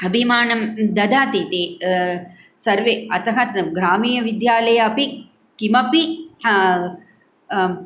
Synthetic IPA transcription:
ɐbʱimaːnɐmd̪ɐd̪aːt̪it̪eː | sɐɾʋeːɐt̪ɐɦɐt̪ɡɾaːmiːjɐʋid̪jaːlɐjɐɐpi | kimɐpi

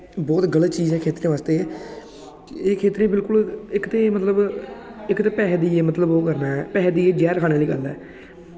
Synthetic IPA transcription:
bɔːt̪ɡələt̪t͡ʃiːzɛːkʰeːt̪ɾẽːʋaːst̪eː | eːkʰeːt̪ɾẽːbɪlkʊlɪkt̪eːmət̪ləbɪkt̪eːpɛːɦd̪iːeːmət̪ləboːkəɾnaːɛːpɛːɦd̪iːeːd͡ʒɛːɾkʰaːɽ̃ẽːliːkə̰ɾd̪a̰ː

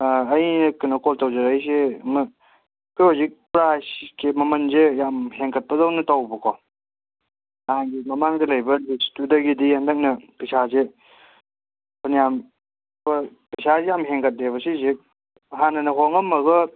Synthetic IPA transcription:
ɐjnɐkɯnɐkoltawzɐɾajs̬em | keozik̚pɾaajskemɐmɐnzejamheŋkɐt̚pɐzawnɐtawbɐkʰɔ | naŋɡimɐmaŋdɐlɐjbɐlistudɐɡidihɐndɐk̚nɐpɐsʰaze | pʰɐnijam | bɐpɐjsazejamɦeŋkɐt̚leβɐsizik̚ | ɦanɐnɐɦoŋɐmɐɡɐ

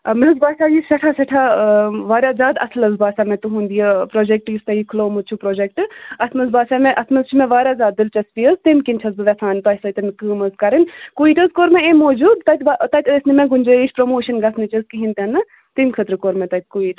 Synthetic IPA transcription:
ɐmezbaːsaːjisɐʈʰaːsɐʈʰaːʋaːɾʲjaːzaːd̪ɐslɐzbaːsaːmẽt̪uɦũːnd̪ijɐpɾoːd͡ʒek̚ʈjist̪ɐjikʰloːmut͡ʃʰupɾoːd͡ʒek̚ʈɐsmɐzbaːsamẽʔɐsmɐzt͡ʃʰimẽʋaːɾʲjaːzʲaːd̪̚ːɨlt͡ʃɐspiːəzt̪emkinʲt͡ʃʰɐzbɨʋʲɐsʰaːnp̪ɐsɐt̪ɐmkɨːmɐzkɐɾɐnkuiːʈɐzkoːɾmẽemoːd͡ʒuːd̪t̪ɐt̪ʲat̪ɐt̪ʲəsnimẽɡʊnʲd͡ʒɐːiʃʰʲpɾomoːʃɐnɡɐsʰnɐt͡ʃɐzkiɦint̪ɐnːɨ | t̪imkʰət̪ɾɨkoːɾmẽt̪ɐt̪̚ʲkuiːʈ

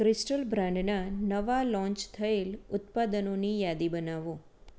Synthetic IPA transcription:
kɾɪsʈəlbɾãɳɖnanəʋalɔ̃ɲt͡ʃt̪ʰəelʊt̪pad̪ənonijad̪ibənaʋo

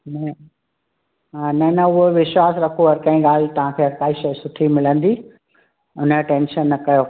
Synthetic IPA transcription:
ʊn | ɦanɐnɐʊɦoʋɪʃwaːsɾɐkʰoɦɐɾkãːĩːɡaːl̤t̪ɐʋ̤ãkʰeːɦɐɾkaːiʃɐjsʊʈʰimɪlə̃n̆d̪iː | ʊnəʈẽːnʃənːɐkɐjo

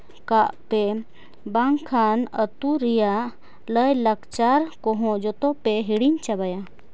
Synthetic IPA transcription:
kaʔpe | baŋkʰanət̪uɾija | ləjləkt͡ʃaɾkɔɦɔ̃d͡ʒɔt̪ɔpeɦiɽiɲt͡ʃabaja

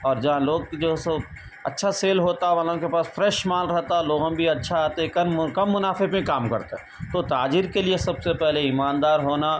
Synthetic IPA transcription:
ɔːɾd͡ʒɐɦãloːɡ̚d͡ʒoːsɐ | ɐ̰tːʃʰaseːlɦoːt̪aɦɛʋaːlõkepaːsfɾɛːʃmaːlɾɛɦt̪aloːɡãbʱiɐtːʃʰaaːt̪eɛkɐkɐmːʊnaːfepẽkaːmkɐɾt̪eɦɛ | t̪ot̪aːd͡ʒiɾkeliesɐbsepɛɦleɪmaːnd̪aːɾɦoːna

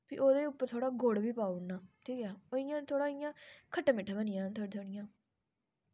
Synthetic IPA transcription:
pʰḭːʔoːd̪eːʊpːəɾt̪ʰoːɽaːɡoːɽbiːpaːunːaːʈʰiːkɛːoɪjãːt̪ʰoːɽãːɪjãːkʰəʈːãːmɪʈʰːaːbənɪjãːt̪ʰoːɽt̪ʰoɽɪjãː

